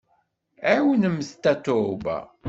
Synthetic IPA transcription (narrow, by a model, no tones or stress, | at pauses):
æwənəmːst̪ːæt̪ːʊbæ̰